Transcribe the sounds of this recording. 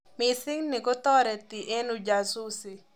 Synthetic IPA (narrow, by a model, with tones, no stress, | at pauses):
mɪsɪ˦ŋnɪ˨kɔ˦t̪ɔ˦ɾɛ˨t̪ɪ˨ʔe˦nu˨d͡ʒa˨su˦si˨